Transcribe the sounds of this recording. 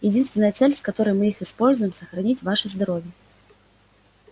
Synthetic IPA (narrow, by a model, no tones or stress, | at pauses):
jɪd͡zʲinst̪ʲnəjət̪sɛlʲskɐt̪ɔɾɨjmɨixɨspolʲzʊjɪmsɐxɾɐnʲit͡sʲvaʂɨzd̪ɐɾɔvʲjə